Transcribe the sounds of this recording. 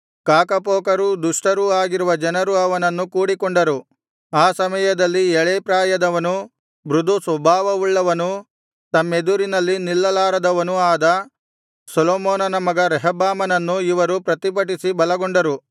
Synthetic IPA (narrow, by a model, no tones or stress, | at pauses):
kaːkɐpoːkɐɾud̪uʂʈɐɾuaːɡiɾuʋɐd͡ʒɐnɐɾuɐʋɐnɐnːukuːɽikoɳɖɐɾu | aːsɐmɐjɐd̪ɐlːiɛɭeːpɾaːjɐd̪ɐʋɐnu | bɾud̪ʱusʋɐbʱaːʋɐuɭːɐʋɐnu | t̪ɐmːe̞d̪uɾinɐlːinilːɐlaːɾɐd̪ɐʋɐnuaːd̪ɐ | sɔloːmɔːnɐnɐmɐɡɐɾɛɦɐbaːmɐnɐnːuiʋɐɾupɾɐt̪ipɐʈ̬isibɐlɐɡoɳɖɐɾu